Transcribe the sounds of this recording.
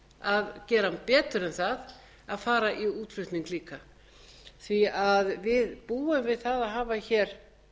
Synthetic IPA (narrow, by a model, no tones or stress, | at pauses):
aðcɛːɾampɛːt̪ʏɾɛnθað | aðfaːɾaʔiuːt̪l̥ʏht̪niŋkliːka | θviaðvɪðpuːʏmvɪðθaðaðɦaːvaçɛːɾ̥